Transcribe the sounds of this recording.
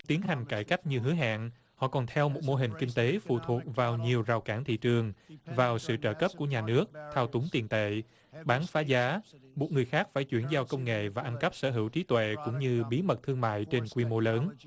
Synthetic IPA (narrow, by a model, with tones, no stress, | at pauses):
t̪i˨˦ənɦa˨˩jŋ̟kaː˧˩jka˦˥jk̟̚ɲɨ˧ɦɨ˨˦ɦa̰ː˧˨ŋ | hɔ̰˧˨kɔ˨˩nt̪ʰɛ˧wmo˨˩t̚mo˧ɦï˨˩ŋ̟kï˧ŋ̟t̪e˨˦fṵ˧˨t̪ʰu˨˩ət̚vaː˨˩wɲi˨˩əwza˨˩wkaː˧˩nt̪ʰḭ˧˨t͡ɕɨ˨˩əŋvaː˨˩wsɨ̰˧˨t͡ɕə̰ː˧kə˦˥p̚ku˧˩əɲaː˨˩nɨ˦˥ək̚t̪ʰaː˧wt̪ʊ˨˦ŋt̪i˨˩ənt̪ḛ˧˨ | ɓaː˨˦nfaː˨˦zaː˨˦mo˨˩t̚ŋɨ˨˩əjxaː˦˥k̚faː˧˩jt͡ɕwi˧˩ənzaː˧wkə˧wŋ͡mŋḛ˧˨vaː˨˩ʔa˧nkə˦˥p̚səː˧˩ɦɨ˧˩wt͡ɕi˨˦t̪wḛ˧˨kʊ̰˧˥ŋ͡mɲɨ˧ɓi˨˦mə˨˩t̚t̪ʰɨ˧əŋma̰ː˧˨jt͡ɕe˧nkwi˧mo˧ləː˨˦n